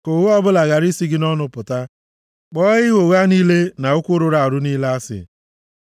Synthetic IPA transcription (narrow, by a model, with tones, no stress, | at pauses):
ko˨wo˦ɔ˦bʊ˦la˨ɣa˨ɾi˦si˦ɡɪ˦nɔ˦nʊ˨pʊ˨ta˦ | k͡pɔ˦ɣɪ˦wo˨ɣa˦niː˦le˦na˨ʊ˦kʷʊ˦ɾʊ˨ɾa˨a˨ɾʊ˦ni˦la˦a˦sɪ̰˨